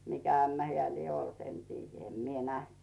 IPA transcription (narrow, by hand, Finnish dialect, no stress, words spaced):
mikæ æmːæ heæˑ lie olt en tiːjːæ em mie næht